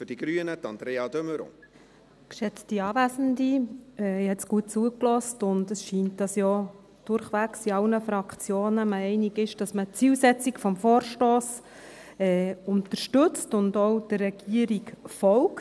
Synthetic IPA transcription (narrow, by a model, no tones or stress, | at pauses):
fʏd̥iɡ̥ɾyənətɑnd̥̪ɾeːɑdøməɾo̰ | kʃɛt͡stiɑːvæsn̩diɛhɛtsɡ̥uət̚t͡suːəklɔstʊndəsʃiːntd̥ɑsjɔ | d̥ʊɾχʋæksiɑlnəfɾɑkʰt͡sjoːnəmɛɛɪniɡɪʃd̥ɑsmət͡siːlsɛt͡sikfɔmfoːɾʃtɔːs | ɛːʊntəɾʃtɵt͡stʊndɔwd̥ərːɛɡ̥iəɾikfɔwk